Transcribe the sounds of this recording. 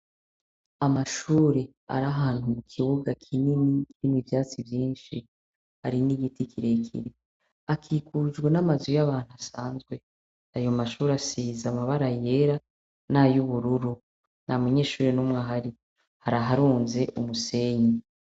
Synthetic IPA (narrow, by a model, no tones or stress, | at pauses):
amaʃuːɾe̞ | a̰ɾaɦaːnhumukʰiβuɡakʰininikinivjaːt͡sivjiːnʃi | haɾiniɡitikʰiɾe̞kʰḭɾe | akʰiːkʰuːd͡ʒɡwenamazujaβaːn̥huasaːnzɡwe̞ | ajo̞maʃuːɾasizamaβaɾaje̞ɾa | najuβuɾuɾu | namuɲe̞ːʃuːɾenumŋaɦaɾi | haɾaɦaɾuːnze̞ʔumuse̞ɲi